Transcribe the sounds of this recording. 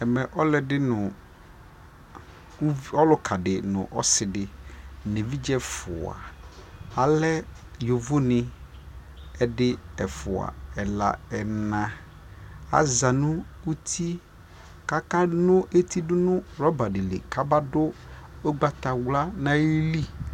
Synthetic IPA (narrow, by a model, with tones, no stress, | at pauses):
ɛ˨mɛ˨ʔɔ˦lɛ˨dɪ˦nʊ̃˨˦ | ɔ˦lʊ˦kʰa˨dɪ˨nʊ̰̃˨ʔɔ˦sɪ˨dɪ˨ne˨vi˦d͡ʒɛ˦fʊ̰˨a̰˨ | a˨lɛ˦ | jo˨vʊ˦nɪ̃˨ | ɛ˦dɪ˦ɛ˨fʊ˨a̰˨ɛ˨la̰˨ɛ˨nã˨ | a̰˦za˨nʊ̃˦ | u˦t̪ʰi˦ | ka˦ka˦nʊ̃˦ʔe˦t̪ʰi˦dʊ˦nʊ̃˦ɾɔ˦ba˨dɪ˨lɪ̰˨ka˦ba˦dʊ˦o˦ɡ͡ba˦t̪a˨wla˦nã˨ji˦li˦